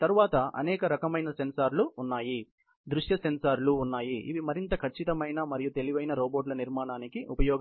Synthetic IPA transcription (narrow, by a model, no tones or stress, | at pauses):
t̪ɐɾuʋaːt̪ɐɐ̰nɛːkɐɾɐkɐmɐjnɐsensaːɾluːnːaːji | d̪ɾuʂjɐsensaːɾluːnːaːjiḭʋimɐɾint̪ɐkʰɐt͡ʃːit̪ɐmɐjnamɐɾijut̪e̞liʋɐjnɐɾoːboːʈlɐniɾmaːɳaːnikiʔupɐjɔːɡ